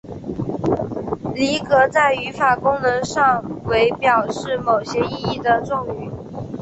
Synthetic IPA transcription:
li˧˥kɤ˧˥t͡sa˥˩ɪy˧˥fa˨˩kʊ˥ŋnɤ˧˥ŋʂɑ˥˩ŋwe˧˥ɪpjɑ˨˩ʊʂɻ̩˥˩mo˨˩ʊɕjɛ˥i˥˧i˥˩d̪ə˩ʈ͡ʂʊ˥˩ŋy˨˩˦

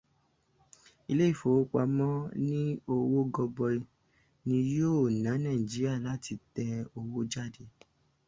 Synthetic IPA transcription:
i˧le˦i˦˨fo˨˦k͡pa˧mɔ̃˦nĩ˦o˧wo˦ɡɔ˧bɔ˧i˧ | nĩ˧jo˦˨nã˨˦nã˦˨d͡ʒi˨˦ɾi˦a˦˨la˨˦ti˧tɛ˧o˧wo˦d͡ʒa˦˨de˧˦

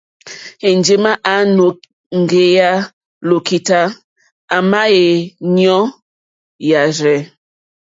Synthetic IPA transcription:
e˨n˦d͡ʒe˨ma˦ʔa˨˦no˨ | ŋ̩˨ɡe˨ja˦ | lo˨ki˨ta˦ | a˨ma˦je˨ɲɔ˦ | ja˨ɾɛ˨

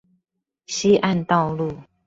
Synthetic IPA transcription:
ɕi˦ʔa˥˧˨nt̪ɑ˥˧ʊlu˥˨

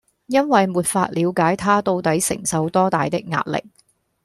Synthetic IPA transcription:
jɐ˥nwɐ˨jmuː˨t̚faː˧t̚liː˨˧wkaː˨˥jt̪ʰaː˥t̪o˧wt̪ɐ˨˥jsɪ̰˨˩ŋsɐ˨˧wt̪ɔː˥t̪aː˨jt̪ɪ˥k̚ŋa̰ː˧t̚lɪ̰˨k̚

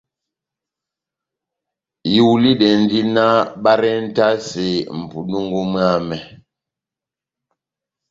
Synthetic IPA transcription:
ji˨wli˦ɗɛ˨n˦di˦na˦ɓa˦ɾɛ˦n̩˦ta˦se˨m̩˨pu˨nu˦ŋɡu˦mɰa˦˨mɛ˨

